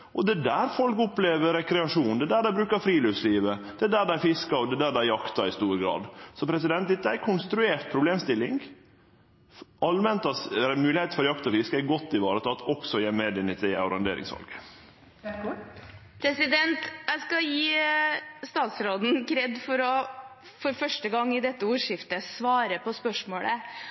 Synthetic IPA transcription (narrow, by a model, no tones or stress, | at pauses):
ʔɔd̪ɛd̪æːɾfɔlkʊpleːʋəɾɛkɾɛɑʂuːnd̪ɛd̪æːɖæɪbɾʉːkɑɾfɾiːløʋsliːʋəd̪̥ɛd̪æːɖ̪æɪfɪskɑɔd̪ɛd̪æːɖ̪ɛæjɑkt̪ɑɾɪst̪uːɾɡɾɑ̰ːd̪sɔpʰɾɛs̬ɪd̪ɛnt̪̚d̪ɛt̪ːəæɾkʰʊnst̪ɾʉeːɾʈ̪̚pʰɾʊbleːmst̪ɪlːɪŋɡ | ʔɑlmɛnt̪ɑɾɛmʉːlɪheːt̪fɔɾjɑkt̪ɔfɪskəæɡɔt̪ːɪʋɑːɾət̪ʰɑt̪ɔksɔjeːmed̪ɪnɪt̪ʰɛʊɾɑnd̪ḛːɾɪ̰ŋsʋɑ̰lɡə | pʰɾɛsɪd̪ɛnt̪jæskɑjiː | st̪ɑːt̪sɾoːd̪n̩kʰɾɛd̪fɔɾɔfɔɾfœʂʈəɡɑŋːɪd̪ɛt̪ːəuːʂɪft̪əsʋɑːɾəpʰɔspœʂmoːɽə